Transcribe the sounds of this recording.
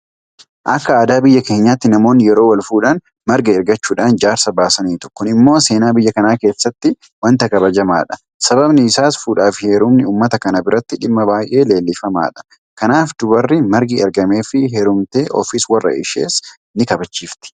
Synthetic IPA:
ʔɐkːɐaːd̪aːbɪjːɐke̞ːɲːaːt̪ːɪnɐmo̞ːnːɪjɛɾo̞ːwɐlfuːᶑaːn | mɐɾɡɐɛɾɡɐt͡ʃːuːᶑaːnd͡ʒaːɾsɐbaːsɐniːt̪ʊ̥kːʊnɪmːo̞ːse̞ːnaːbɪjːɐkɐnaːke̞ːsːɐt̪ːɪ | wɐnt̪ɐkɐbɐd͡ʒɐma̰ːᶑɐ̥ | sɐβɐbnɪːsaːsfuːᶑaːfɪheːɾʊmnɪuːmːɐt̪ɐkɐnɐbɪɾɐt̪ːɪᶑɪmːɐbaːjʔe̞ːle̞ːlːɪfɐma̰ːᶑɐ̥ | kɐnaːfd̪ʊbɐrːɪmɐɾɡɪɛɾɡɐme̞ːfɪɦeɾʊmt̪e̞ːʔɔ̰fɪswɐrːɐ̰ʔɪ̰ʃe̞̰ːs | nɪkɐbɐt͡ʃːiːft̪ɪ̥

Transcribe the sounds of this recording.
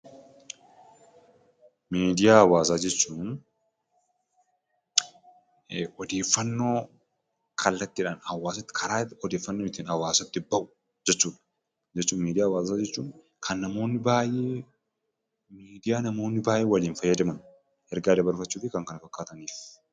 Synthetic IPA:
meːd̪ɪjaːɐwaːsaːd͡ʒɛt͡ʃːuːn | ʔɔd̪e̞ːfːɐnːo̞ː | kʰɐlːɐt̪ːɪᶑaːnhɐwaːsɐt̪ːɪ̥kʰɐɾaːt̪ɔd̪eːfːɐnːoɪt̪iːnɐwaːsɐt̪ːɪbɐʔʊ̥ | d͡ʒɛt͡ʃːuːᶑɐ̥ | d͡ʒɛt͡ʃːuːnmiːd̪ɪjaːwaːsaːd͡ʒɛt͡ʃːuːn | kʰɐnːɐmo̞ːnːɪbaːjeː | miːd̪ɪjaːnɐmo̞ːnːɪbaːjʔeːwɐliːnfɐjːɐd̪ɐmɐn | ʔɛɾɡaːd̪ɐbɐɾfɐt͡ʃːuːt̪ɪkɐŋkɐnɐfɐkːaːt̪ɐniːf

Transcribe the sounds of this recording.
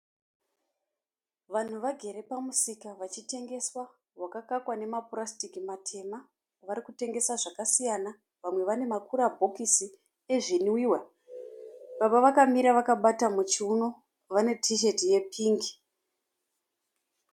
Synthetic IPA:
ʋan̤uʋaɡʱe̞ɾe̞pamusikaʋat͡ʃite̞ŋɡe̞swa | ɦwakakakwane̞mapurastikimatʰe̞ma | ʋaɾikute̞ŋɡe̞saʐakasijana | ʋamwe̞ʋane̞makuɾabʱo̞kisi | e̞ʐiniwiwa | ɓaɓaʋakamiɾaʋakaɓatamut͡ʃiuno̞ | ʋane̞tʰiʃe̞tije̞pʰiːŋɡi̥

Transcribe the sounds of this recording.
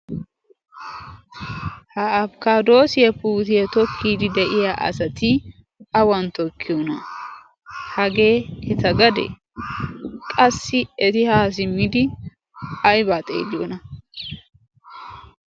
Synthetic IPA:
hɐɐbkaːd̪o̞ːsɪjɐpuːt̪ɪjɐt̪ɔkʰːiːd̪ɪd̪ɛʔɪjaʔɐ̰sɐt̪ɪ | ɐwɐnt̪ɔkʰːɪjɔnɐ | hɐɡe̞ːhɛt̪ɐɡɐd̪ɛ̰ | kʼɐsːɪɛt̪ɪhaːs̬ɪmːɪd̪ɪ | ɐjbaːt̪ʼḛːd̪ɪjo̰nɐ

